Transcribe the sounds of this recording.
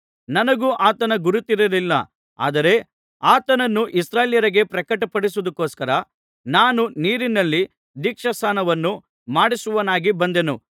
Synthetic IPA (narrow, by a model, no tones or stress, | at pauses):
nɐnɐɡuʔaːt̪ɐnɐɡuɾut̪iɾɐlilːɐ̰ | a̰ːd̪ɐɾe̞ | aːt̪ɐnɐnːuʔisɾaːjljɐɾɐɡe̞pɾɐkɐʈɐpɐɽisuud̪ɐkːoːskɐɾɐ | naːnuniːɾinɐlːi | d̪iːkʂɐsaːnɐʋɐnːu | maːɽisuʋɐnaːɡibɐnd̪e̞nṵ